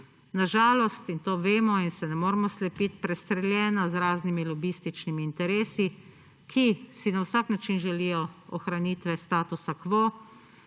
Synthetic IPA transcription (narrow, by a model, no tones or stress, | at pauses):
naʒaːlɔst̪int̪oːʋeːmɔinsɛnɛmoːɾmɔslɛpit̪pɾɛst̪ɾɛljɛːnazɾaːznimilɔbist̪it͡ʃnimiːnt̪ɛɾeːsi | kʰisinawsaknat͡ʃinʒɛlijɔɔxɾaniːt̪ʋɛst̪aːt̪usakʋoː